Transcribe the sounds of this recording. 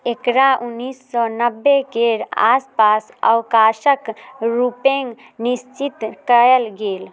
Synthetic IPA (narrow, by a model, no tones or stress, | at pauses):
ekɾaʔunːisːɔnəbːekeɾa̰spasə̰wkasəkɾupeŋɡ | nist͡ʃit̪kəɛlɡel